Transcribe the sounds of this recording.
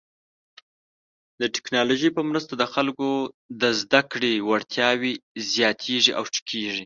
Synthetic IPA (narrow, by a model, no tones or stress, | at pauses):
d̪əʈɪ̥knɑloʒəjpəmɾəst̪ad̪əxalko | d̪əzd̪akɽewaɽt̪ʰjɑwizjɑt̪ʰeʐiʔawʈ͡ʂi̥kʰeʐi